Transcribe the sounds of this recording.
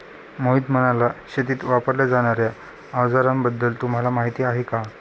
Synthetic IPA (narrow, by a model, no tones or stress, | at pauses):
moɦid̪m̤əɽ̃alaɕet̪iːt̪ʋapəɾljad͡zaɽ̃aɾja | aʋd͡zaɾãmbəd̪ːəlt̪um̤alamaɦit̪iːaɦeka